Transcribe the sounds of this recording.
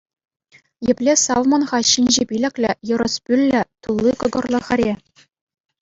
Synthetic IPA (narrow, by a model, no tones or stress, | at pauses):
jɘ̆pʲlʲesɑlmonʁɑɕinʲʑepʲilʲɘ̆kʲlʲɘ̆jɤ̆ɾɤ̆spʲylʲːɘ̆t̪ulˠːikɤ̆ɡɤ̆rlˠɤ̆ʁɘ̆ɾʲe